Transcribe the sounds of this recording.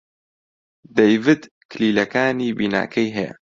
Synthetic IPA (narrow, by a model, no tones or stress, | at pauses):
d̪ejvɨd̪ | kʰɨliːlɐkaːniːbiːna̰ːkʰɐjɦɛja̰